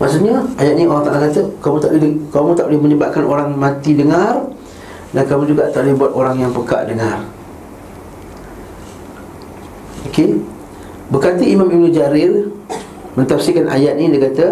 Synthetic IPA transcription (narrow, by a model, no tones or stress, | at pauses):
ma̰ʔsut̪ɲaajat̪̚nioɾaŋt̪aʔakat̪əkamũt̪aʔlkamũt̪aʔulɪhmə̃ɲəbaʔ̚kanoɾaŋmãt̪idəŋãr | dankamũd͡ʒuɡaʔt̪aʔlɪhbuat̪oɾaŋjaŋpəka̰ʔdəŋar | oke | bəkat̪iimãmimud͡ʒaɾɪr | mə̃nt̪afsikanʔa̰jat̪̚nĩdekat̪a